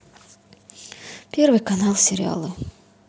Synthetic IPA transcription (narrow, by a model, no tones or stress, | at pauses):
pʲe̞rvɨjkɐnɑlˠsʲeɾʲɪ̰a̰lˠɨ